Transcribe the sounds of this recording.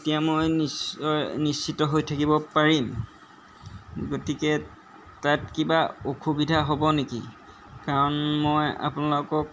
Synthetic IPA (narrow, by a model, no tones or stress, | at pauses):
etijamojniɔjnisːitɔɦojtʰakibɔpaɹim | ɡotikɛ | tatkibaokʰubidʱaɦobɔnekḭ | kaɹɔnmoja̰punalokɔk